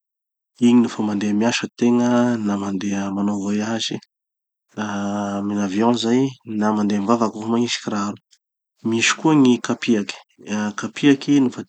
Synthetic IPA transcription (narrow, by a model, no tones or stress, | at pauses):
iɲinufəmand̪eəmiaʃət̪eŋənamand̪eəmanovajazi | aminavjɔ̃zajnamand̪eamvavakufamaiʃi̥kiɾaɾu | miʃi̥kuəŋikapiaki̥ | kapiakinufə